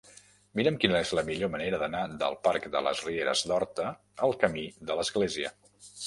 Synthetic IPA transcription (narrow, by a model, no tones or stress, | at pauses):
miɾəmkinəezləmiʎoməneɾəðənad̪ə̰lˠpaɾkd̪ə̰lə̰zrieɾə̰zd̪ɔɾt̪ə | əlˠkəmiðələzɣleziə̰